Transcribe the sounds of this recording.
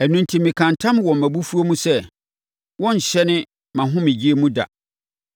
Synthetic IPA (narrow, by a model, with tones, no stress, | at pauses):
æ˨nũ˦ntʰi˨mĩ˨kʰã˨ntʰã˦m˦wɔ̃˨mmːæ̃˨bu˦fu˦o˦mũ˦sɛ˦ | wɔ̃˦ɲ̩˨ɕɛ˦nɪ̃˦ | mã˨ɦʊ̃˦mɪ̃˨d͡ʑi˦e˦mũ˦da̰˨